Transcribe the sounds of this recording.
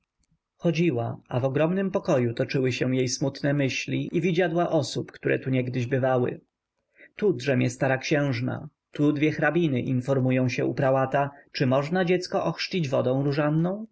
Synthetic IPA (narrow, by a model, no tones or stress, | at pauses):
xɔd͡ʑiwa̰avɔɡɾɔmnɘmpɔkɔjut̪ɔt͡ʂɘwɘɕɛwjejsmut̪nɛmɘɕlʲiʔivʲid͡ʑad̪waʔɔsupkt̪uɾʔɛ̰t̪uɲɛɡd̪ɘʑbɘvawɘ̰ | t̪ud̪ʐɛmʲjɛst̪aɾakɕɛ̃w̃ʐna̰ | t̪ud̪vʲjɛxɾabʲinɘʔinfɔɾmujɔ̃w̃ɕɛṵpɾawat̪at͡ʂɘmɔʐnad͡ʑɛt̪skɔʔɔxʂt͡ɕid͡ʑvɔd̪ɔ̃w̃ɾuʐanːɔ̃w̃